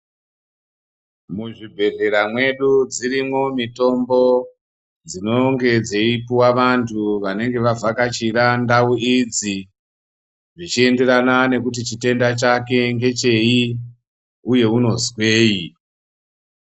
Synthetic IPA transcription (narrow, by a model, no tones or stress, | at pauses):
muʐibʱe̞re̞ɾamwe̞ɗud͡zirimomito̞mbo̞ | d͡zino̞ŋɡe̞d͡zeipuwaʋantʰuʋane̞ŋɡe̞ʋavakat͡ʃirandauid͡zi | ʐit͡ʃie̞nderanane̞kut̬it͡ʃite̞ndat͡ʃake̞ŋɡe̞t͡ʃe̞i | uje̞uno̞zwe̞ːji